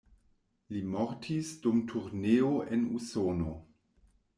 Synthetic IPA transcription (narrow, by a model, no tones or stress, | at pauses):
limɔɾtʰisd̥umtʰuɾneːoʔenṵsoːno